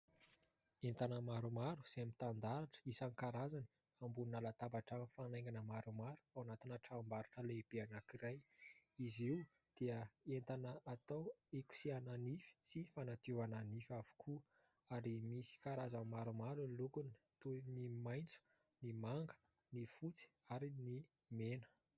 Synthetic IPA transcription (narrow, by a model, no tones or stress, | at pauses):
ent̪anəmaɾumaɾu̥z̥emit̪and̪aɾaʈ͡ʂə̥isanikaɾazani̥ | ambuninalat̪abaʈ͡ʂanfanajŋɡanəmaɾumaɾu̥awanat̪inəʈ͡ʂambaɾaʈ͡ʂəleb̥eanakiɾajiziw | d̪̥eəent̪anəat̪aweku̥siananifi̥sifanat̪ewananifavu̥kʰu | aɾimisi̥kaɾazəmaɾumaɾulukuni̥ | t̪unimajnt͡su̥ | nimaŋɡə̥ | nifut͡si̥aɾini | menə̥